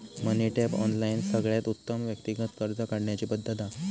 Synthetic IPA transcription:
məniʈepɔ̰nlainsəɡɭjat̪ut̪ːəmʋjəkt̪iɡət̪kəɾt̪əkaɽɳjat͡ɕiːpəd̪ːət̪a

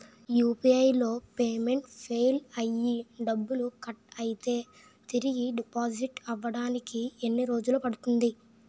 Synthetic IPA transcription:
juːpiɐjlo̞ːpe̞ːme̞ɳʈpʰeːjlɐjːiɖɐbːulukɐʈɐjit̪e̞ː | t̪iɾiɡiɖipaːd͡ʒiʈɐʋːɐɽaːnikienːiɾo̞ːd͡ʒulupɐɽut̪und̪i

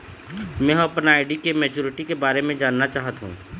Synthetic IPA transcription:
mɛ̃ɦɐpnaːɪɖikemɛːt͡ʃuːɾɪʈikebaːɾemẽd͡ʒaːnːat͡ʃaːɦət̪ɦṵ̃ː

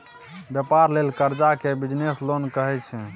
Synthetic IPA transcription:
bjəpaɾlelkəɾd͡ʒakebid͡ʒneslonkəɦɛt͡ʃʰɛ̃

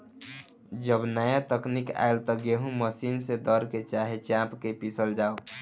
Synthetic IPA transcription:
d͡ʒəbnəjat̪əknika̰elt̪ɔɡeɦũməsinsed̪əɾket͡ʃaɦet͡ʃãpkepisəld͡ʒao

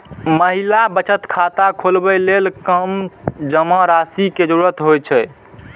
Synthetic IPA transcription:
məɦilabət͡ʃət̪kʰat̪akʰolbɛlelkəmd͡ʒəmɔ̃ɾasiked͡ʒəɾuɾət̪ɦojt͡ʃʰɛ

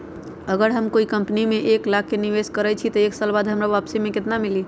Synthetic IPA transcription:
əɡəɾɦəmkoikəmpnimeʔeklak̚ʰːeniʋeskəɾɛt͡ʃʰit̪əeksəlbad̪ɦəmɾaʋapsemeket̪namili

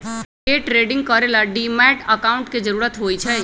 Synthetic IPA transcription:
eːʈɾeːɖɪ̃ŋɡ̚kɔːɾelaɖiːmɛːʈəkaːʊ̃ɳʈkid͡ʒəɾuːɾət̪ɦoːit͡ʃʰɛː

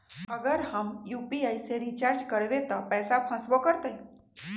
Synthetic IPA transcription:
əɡəɾhamjupiajseɾit͡ɕaɾd͡ʑkəɽʋet̪əpɛsapʰãsʋɔkəɾt̪əj

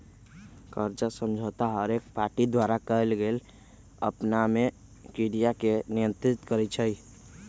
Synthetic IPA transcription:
kəɾt͡ʃəsəmd͡ʒʱət̪aɦəɾek̚paɾʈid̪waɾakəelɡel | ə̰pname | kiɽijakenijə̃nt̪ɾit̪kəɾɛt͡ʃʰəj

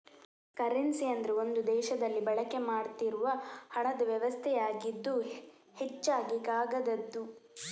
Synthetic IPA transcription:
kɐɾinsiɐnd̪ɾuo̞nd̪ud̪ɛːʃɐd̪ɐlːibɐɭɐkemaːɽt̪iɾuʋɐhɐɳɐd̪ɐʋjɐʋɐst̪ʰɛjaːɡid̪ːu | het͡ʃːaːɡikaːɡɐd̪ɐd̪ːu

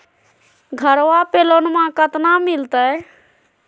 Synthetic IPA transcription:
ɡʱəɾwapelonmãkət̪namilt̪ə

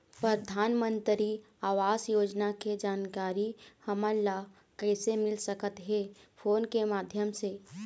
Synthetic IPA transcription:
pɾəd̪ʱaːnmə̃nt̪ɾi | aːʋaːsjoːd͡ʒnaked͡ʒaːnkaːɾihɐməlla | kɛːsemɪlsəkət̪ɦɛːpʰoːnkemaːd̪ʱjəmse

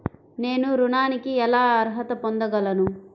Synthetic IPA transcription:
ne̞ːnuɾuɳaːnikiɛlaːɐɾɦɐt̪ɐpond̪ɐɡɐlɐnu

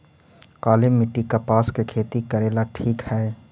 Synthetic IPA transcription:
kaːlɪmːɪʈːikapaːskekʰeːt̪ikɐɾeːlaʈʰiːkhɛː

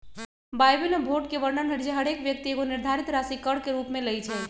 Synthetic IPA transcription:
bajbilbʱoʈ̚keʋəɾɳənɦəɾd͡ʒeɦɐɽeːkʋjək̚t̪ieːɡonɪɾd̪ʱaːɾit̪ɾasikəɽkeɾuːpmẽləit͡ʃʰɛ

